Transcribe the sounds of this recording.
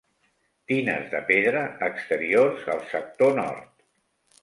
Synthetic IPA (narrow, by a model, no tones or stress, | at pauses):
t̪inəzðəpeðɾəːkst̪əɾiorzəlˠsək̚t̪onɔ̰ɾt̪